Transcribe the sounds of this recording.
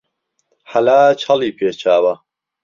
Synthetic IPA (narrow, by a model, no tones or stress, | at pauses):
ħalaːt͡ʃʰɐliːpʰeːt͡ʃʰaːwɐ